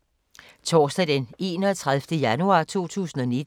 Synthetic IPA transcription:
t͡sʰɒːsd̥ɛd̥ene̝ːnɒːt͡sʰʁaðˠfd̥əjænuɑ̰̈ːt͡sʰo̝̰ːt͡sʰṵːsn̩ɒ̽nid̥

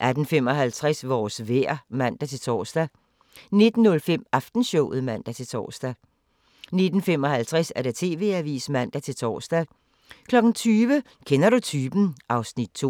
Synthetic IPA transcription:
ʔæd̥n̩fem̰ɒ̽ɦælt͡sʰʁasʋɒːsʋeɐ̰mæn̰d̥æt͡sʰe̝lt͡sʰɒːsd̥æ | ne̝d̥n̩ːɔ̽lfem̰ɑfd̥n̩ɕɔʊð̩ˠmæn̰d̥æt͡sʰe̝lt͡sʰɒ̰ːsd̥æ | ne̝d̥n̩fem̰ɒ̽hælt͡sʰʁasæɐɾ̥æ̈t͡sʰe̝̰ːʋe̝̰ːæʋḭːsmæn̰d̥æt͡sʰe̝lt͡sʰɒ̰ːsd̥æ | kʰlɒ̽ɡ̥n̩t͡sʰyːʋə | kʰenɐɾut͡sʰyːb̥n̩ʔɑ̈ʊsnid̥̚t͡sʰo̝

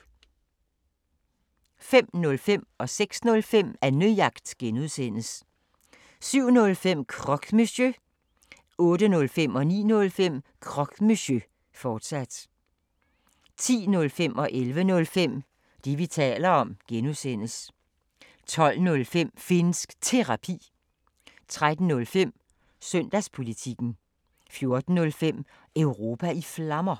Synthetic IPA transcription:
fem̰nɔ̽lfem̰ɒ̽seɡ̥snɔ̽lfem̰æɐnyjɑ̈ɡ̥d̥ɡ̥enuðˠsen̰əs | syʊ̰nɔ̽lfem̰kʰʁɒ̽ɡ̥mesø | ɔ̽ːdənɔ̽lfem̰ɒ̽nḭːnɔ̽lfem̰kʰʁɒ̽ɡ̥meɕø | fɒːd̥sæd̥ | t͡sʰḭːnɔ̽lfem̰ɒ̽ʔelʋənɔ̽lfem̰ | d̥iʋit͡sʰɛ̰ːlɐɒ̽mɡ̥enusen̰s | t͡sʰɒ̽l̰nɔ̽lfem̰fe̝nsɡ̥t͡sʰe̝ʁɑ̈pʰḭː | t͡sʰʁad̥n̩nɔ̽lfem̰ | sœn̰d̥æspʰo̝lit͡sʰiɡ̥n̩ | fjo̝ɐd̥n̩nːɔ̽lfem̰ | œʊʁo̝ːpʰæiflɑmɐ

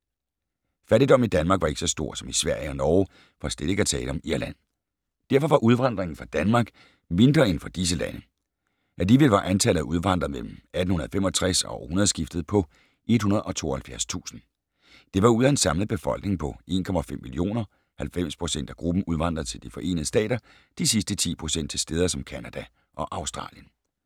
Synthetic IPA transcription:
fæɾid̥ɒ̽mnid̥ænmɑ̈ɡ̥ʋɑ̈e̝ɡ̥əsɒ̽sd̥o̝ɐ̰sɒ̽misʋæɐ̰jəɒ̽nɒː | fɒsd̥eð̥ˠeɡ̥æt͡sʰɛ̰ːləɒ̽miɐlæn̰ | d̥æɐfɒ̽ʋɑ̈ʔuð̞ˠʋɑ̈n̰d̥ʁeŋn̩fʁɑ̈d̥ænmɑ̈ɡ̥ | me̝nd̥ʁɐe̝nfɒ̽d̥is̬əlænə | ædiʋelʋɑ̈ʔænt͡sʰæl̰ðˠæʔuð̞ˠʋɑ̈n̰d̥ʁɐmel̰m̩æd̥n̩hunɐðˠfemɒ̽t͡sʰʁasɒʊhunɐðˠsɡ̥ifd̥ð̞̩ˠpʰɒ̽ | ʔe̝d̥̚hunɐð̞ˠɒ̽t͡sʰo̝̰ːɐhælfjæɐst͡sʰṵːsn̩ | d̥e̝ʋɑ̈uðˠɐe̝nsɑ̈mləð̩ˠb̥e̝fɒ̽l̰ɡ̥̚ne̝ŋpʰɒ̽ʔe̝̰ːnkʰɒ̽mæfemːilio̝̰ːnɐ | hælfem̰spʰʁo̝sen̰d̥æɡ̥ʁub̥n̩uð̞ˠʋɑ̈n̰d̥ʁɐt͡sʰe̝ld̥ifɒ̽ʔe̝̰ːnð̩ˠəsd̥ɛ̰ːɾ̥ɐ | d̥isisd̥ət͡sʰḭːpʰʁo̝sen̰d̥̚t͡sʰe̝sd̥eð̞ˠɐsɒ̽mkʰænæd̥æ | ʔɒ̽ʔɑ̈ʊsd̥ʁɑ̰̈ːljən

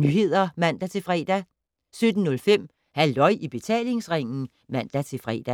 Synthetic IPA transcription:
nyɦe̝ð̞̰ˠɐmæn̰d̥æt͡sʰe̝lfʁɛːd̥æ | sød̥n̩ːɔ̽lfem̰ | hæld̥ɒ̽ɪ̰ʔib̥e̝t͡sʰɛ̰ːle̝ŋsʁeŋ̰n̩ | mæn̰d̥æt͡sʰe̝fʁɛ̰ːd̥æ

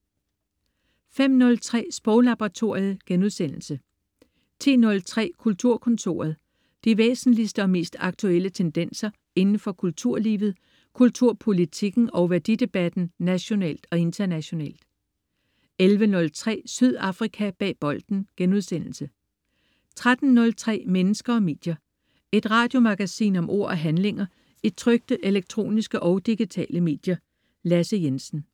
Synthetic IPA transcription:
fem̰nɔ̽lt͡sʰʁɛ̰ːsb̥ʁɔʊlɑ̈b̥ʁɑt͡sʰo̝ɐ̰ið̩ˠɡ̥enuðˠsen̰l̩sə | t͡sʰḭːnɔ̽lt͡sʰʁɛ̰ːkʰult͡sʰuɐ̰kʰɔ̽nt͡sʰo̝̰ːɐð̞ˠ | d̥iʋḛːsn̩lisd̥əɒ̽me̝̰ːsd̥ɑ̈ɡ̥̚t͡sʰuel̰ət͡sʰend̥en̰sɐ | e̝nn̩fɒ̽kʰult͡sʰuɐ̰lḭːʋð̞̩ˠ | kʰult͡sʰuɐ̰pʰo̝lit͡sʰiɡ̥n̩ɒ̽ʊʋæɐd̥id̥e̝b̥æd̥n̩næɕo̝nɛ̰ːl̰d̥ɒ̽e̝nt͡sʰɐnæɕo̝nɛ̰ːld̥ | elʋənɔ̽lt͡sʰʁɛ̰ːsyð̰ˠɑ̈fʁikʰæb̥ɛ̰ːb̥ɒ̽ld̥n̩ɡ̥enuð̞ˠsen̰l̩sə | t͡sʰʁad̥n̩ːɔ̽lt͡sʰʁɛ̰ːmenəsɡ̥ɐɒ̽me̝̰ːd̥jɐ | e̝d̥ʁɑ̈ːd̥jo̝mɑ̈ɡ̥æsḭːnɒ̽mʔo̝̰ɐ̰ɒɦænle̝ŋɐ | i̥t͡sʰʁœɡ̥̚d̥əʔe̝leɡ̥̚t͡sʰʁo̝̰ːnisɡ̥əʔɒ̽ʊd̥iɡ̥it͡sʰɛ̰ːləme̝̰ːd̥jɐ | læsəjensn̩

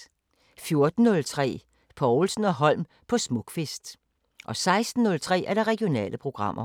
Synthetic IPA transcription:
fjo̝ɐd̥n̩ːɔ̽lt͡sʰʁɛ̰ː | pʰɒʊl̩sn̩ɒ̽ɦɒ̽l̰m | pʰɒ̽smɔɡ̥fesd̥ | ʔɒ̽sɑ̈ɪsd̥n̩ːɔ̽lt͡sʰʁɛ̰ːæɐd̥ɑ̈ʁɛɡio̝nɛ̰ːləpʰʁo̝ɡ̥ʁɑ̈m̰ʔɐ

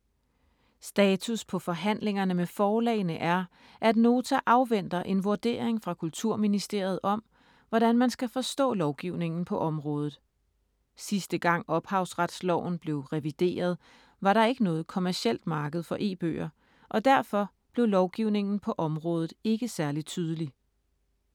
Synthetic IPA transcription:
sd̥ɛːt͡sʰuspʰɒ̽fɒ̽ɦæn̰le̝ŋɐnəmefɒːlɛ̰ːɪnəʔæɐ | ʔæd̥no̝ːt͡sʰæʔɑ̈ʊʋen̰d̥ɐʔe̝nʋuɐd̥e̝̰ːɐeŋfʁɑ̈kʰult͡sʰuɐ̰minisd̥e̝ɐ̰ið̞̩ˠɒ̽m | ʋɒɾ̥ænmænsɡ̥æfɒ̽sd̥ɔ̰̽ːlɒʊɡ̥iʊne̝ŋn̩pʰɒ̽ʔɒ̽mʁɔ̽ːð̞ˠð̩ˠ | sisd̥əɡ̥ɑ̈ŋ̰ɒ̽b̥hɑ̈ʊ̰sʁad̥slɒʊ̰n̩b̥le̝ʊʁɛʋid̥e̝̰ːɐð̞ˠ | ʋɑ̈ɾɑ̈e̝ɡ̥ənɔ̽ːð̞̩ˠkʰo̝mæɐɕiel̰d̥mɑ̈ːɡ̥əð̞̩ˠfɒ̽ʔe̝̰ːb̥ø̰ːɐ | ʔɒ̽d̥æɐfɒ̽ | b̥le̝ʊlɒʊɡ̥iʊne̝ŋn̩pʰɒ̽ʔɒ̽mʁɔ̽ːð̞ˠð̩ˠe̝ɡ̥əsæɐlid̥̚t͡sʰyːð̞ˠəli

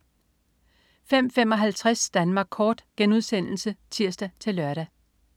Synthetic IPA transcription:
fem̰fem̰ɒ̽ɦælt͡sʰʁasd̥ænmɑ̈ːɡ̥̚kʰɒːd̥ɡ̥enuð̞ˠsen̰l̩sət͡sʰiɐ̰sd̥æt͡sʰe̝lːɶɐɾ̥æ

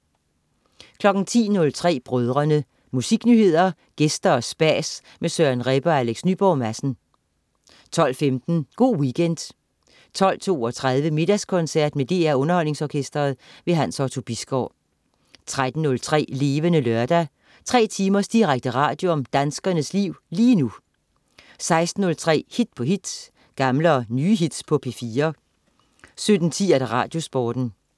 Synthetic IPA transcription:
kʰlɒ̽ɡ̥n̩t͡sʰḭːnɔ̽lt͡sʰʁɛ̰ːb̥ʁœð̞ˠʁɐnə | musiɡ̥nyːhe̝ð̞̰ˠɐ | ɡ̥esd̥ɐɒ̽sb̥æːs | mesøɐnʁɛb̥ɐæleɡ̥snyb̥ɒʊmæsn̩ | t͡sʰɒ̽l̰femd̥n̩ɡ̥o̝̰ːwiɡ̥ʰend̥ | t͡sʰɒ̽l̰t͡sʰo̝̰ːɒ̽t͡sʰʁað̞ˠʋəme̝d̥æskʰɔ̽nsæɐ̰d̥med̥e̝̰ːæɔ̽nɐhɒ̽l̰ne̝ŋsɒːkʰesd̥ʁɐðˠʋe̝ɦænsɒt͡sʰo̝b̥isɡ̥ɒ̰ː | t͡sʰʁad̥n̩ːɔ̽lt͡sʰʁɛ̰ːle̝ːʋənəlœɐd̥æ | t͡sʰʁɛ̰ːt͡sʰiːmɐsd̥iʁaɡ̥̚d̥əʁɑ̰̈ːd̥jo̝ɒ̽md̥ænsɡ̥ɐnəsliʊ̰liːnu | sɑ̈ɪsd̥n̩ːɔ̽lt͡sʰʁɛ̰ːhid̥̚pʰɒ̽ɦid̥s | ɡ̥ɑ̈mləɒnyːɦid̥spʰɒ̽pʰe̝fiːɐ | sød̥n̩t͡sʰḭːæɾæʁɑ̰̈ːd̥jo̝sb̥ɒːd̥n̩

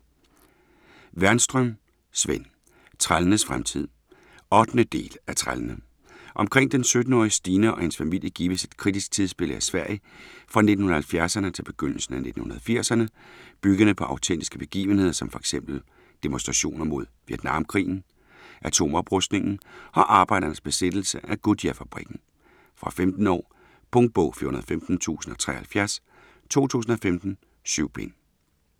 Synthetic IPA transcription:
ʋæɐnsd̥ʁœm | sʋen̰ | t͡sʰʁalənəsfʁamt͡sʰið̞̰ˠ | ɒ̽d̥nəd̥e̝̰ːlæt͡sʰʁalənə | ʔɒ̽mkʰʁeŋ̰d̥ensød̥n̩ɒːisd̥iːnɐʔɒ̽he̝nsfæmil̰jəɡ̥ḭːʋəse̝̥d̥̚kʰʁid̥isɡ̥̚t͡sʰið̞ˠsb̥e̝ləæsʋæɐ̰ifʁɑ̈ne̝d̥n̩hunɐhælfjæɐsɐnət͡sʰe̝lb̥e̝ɡ̥øn̰l̩sn̩æne̝d̥n̩hunɐðˠfiɐ̰sɐnəb̥yɡ̥ɐnəpʰɒ̽ʔɑ̈ʊt͡sʰen̰d̥isɡ̥əb̥e̝ɡ̥ḭːʊʋən̩e̝ð̰ˠɐsɒ̽mfɒ̽e̥ɡ̥semb̥l̩ | d̥e̝monsd̥ʁɑ̈ɕo̝̰ːnɐmo̝ð̞̰ˠʋied̥nɑ̈mkʰʁḭːn̩ | ʔæt͡sʰo̝̰ːmɒ̽b̥ʁɔsd̥ne̝ŋn̩ɒ̽ʔɑ̈ːb̥ɑ̈ɪdɐnəsb̥e̝sed̥l̩səʔæɡ̥ud̥iæfæb̥ʁiɡ̥n̩ | fʁɑ̈femd̥n̩ɒ̰ː | pʰɔŋd̥̚b̥ɔʊ̰fḭɐhunɐðˠfemd̥n̩t͡sʰṵːsn̩ɒ̽t͡sʰʁɛ̰ːɐhælfjæɐs | t͡sʰo̝̰ːt͡sʰṵːs̬n̩ɒ̽femd̥n̩ | syʊ̰b̥en

